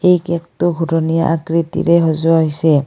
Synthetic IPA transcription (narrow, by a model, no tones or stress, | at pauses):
ejkɛk̚tʊɡʱuɾonija̰ʔa̰kɹit̪ḭɾɛɦɔzuaɦisɛ